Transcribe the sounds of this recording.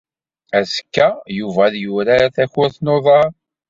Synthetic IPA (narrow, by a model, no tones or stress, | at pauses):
æskːæjuvæðjuɾæθæçʊɾθnoðˤɑɾˤ